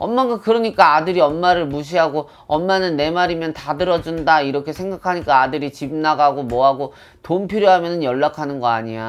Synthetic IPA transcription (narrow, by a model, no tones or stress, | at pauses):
ʌmːaɡakɯɾʌɲik͈aadɯɾiʌmːaɾɯɭmuɕ̬ʰiɦaɡo | ʌmːanɯnːe̞maɾimjʌntadɯɾʌd͡ʑundaiɾʌkʰe̞sʰe̞ŋɡakʰaɲik͈aːdɯɾit͡ɕib̚naɡaɡomwʌɦaɡo | tompʰiɾjoɦamjʌnɯnjʌɭːakʰanɯnɡʌa̰ɲija